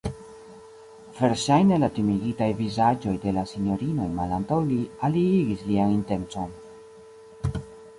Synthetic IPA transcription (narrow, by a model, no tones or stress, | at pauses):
v̥e̞ɾʃajne̞latimiɡitajvizad͡ʒo̞jde̞lasino̞ɾino̞jmalantawlialiiɡislianinte̞nt͡so̞n